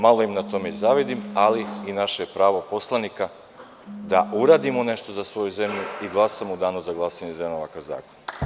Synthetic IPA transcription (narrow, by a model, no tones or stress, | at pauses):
malˠo̞imnat̪o̞me̞izaʋid̪imaliinaʃeepɾaːʋo̞po̞slˠanika | d̪aʔuɾaːd̪imone̞ʃt̪o̞zasʋo̞juze̞mʎuiɡlˠasamud̪aːnuzaɡlˠasaɲezemaʋakaza̰ːkon